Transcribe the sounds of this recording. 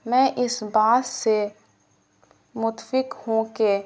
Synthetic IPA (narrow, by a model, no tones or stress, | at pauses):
mɛ̃ːʔɪsbaːd̪se | mʊt̪fɪkhũke